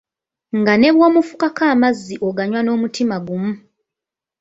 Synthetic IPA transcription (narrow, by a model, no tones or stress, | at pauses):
ŋɡane̞βwoːmufu̥kakaːmazːiʔo̞ɡaɲwano̞ːmutimaɡumu